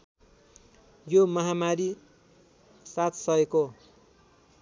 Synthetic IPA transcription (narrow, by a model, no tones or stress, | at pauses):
jomʌɦamaɾi | sat̪ʰsʌeko